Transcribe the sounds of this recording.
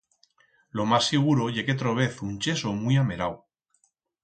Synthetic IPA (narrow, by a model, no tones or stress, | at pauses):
lo̞masːiɣ̞uɾo̞ʝe̞ket̪ɾoβ̞e̞θunt͡ʃe̞somuijame̞ɾaw